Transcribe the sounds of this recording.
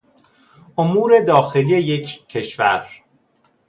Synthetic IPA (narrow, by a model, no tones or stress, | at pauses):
ʔomuːɾe̞d̪ɒːxe̞lijejecʰcʰːe̞ʃvæ̰ɾ